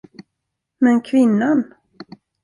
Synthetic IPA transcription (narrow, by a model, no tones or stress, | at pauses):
mɛnkʰvɪnːan